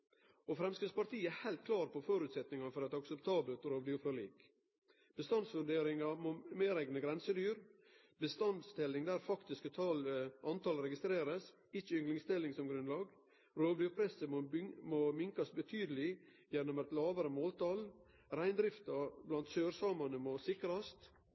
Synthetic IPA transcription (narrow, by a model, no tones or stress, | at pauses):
ɔfɾɛmskɪspɑʈ̪ʰiːəæhæɪlt̪̚kʰlɑːɾpʰɔfoːɾʉːt̪sɛt̪nɪŋɑfɔɾɛt̪ɑksəpt̪ʰɑːbəlt̪ɾoːʋd̪ɪʊpʰɾɑlḭːk | b̥əst̪ɑnsʋʉɳɖeːɾɪŋɑmomeːɾæɪɡnəɡɾɛnsəd̪yːɾ | bəst̪ɑnd̪st̪ɪlːɪŋd̪æːɾfɑkt̪ɪskət̪ʰɑlʔɑnt̪ʰɑlɾɛɡɪst̪ɾeːɾəs | ɪt͡ʃːəʏŋlɪŋst̪ɪlːɪŋsɔmɡɾʉnlɑːɡ | ɾoːʋd̪ɪʊpʰɾɛsəmmoːmɪŋkɑsbət̪ʰyːd̪əlɪ | jɛnːɔmæt̪lɑːʋəɾəmoːlt̪ɑl | ɾæɪnd̪ɾɪft̪ɑblɑnt̪søːɾsɑːmɑnəmosɪkɾɑst̪